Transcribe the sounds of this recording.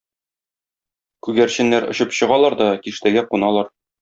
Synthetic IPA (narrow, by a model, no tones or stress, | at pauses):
kʉɡæɾɕɘ̆nːæɾŏɕɤpɕɤ̆ʁɑlˠɑɾd̪ɒkiʃt̪æɡæqunɑlˠɑɾ